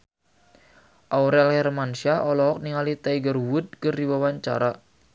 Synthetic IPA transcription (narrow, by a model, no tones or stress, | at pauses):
ʔawɾɛlhɛrmansiaʔɔlɔɦɔk̚niŋalit̪ajɡərwʊd̪̚kərdiwawaɲt͡ʃa̰ɾa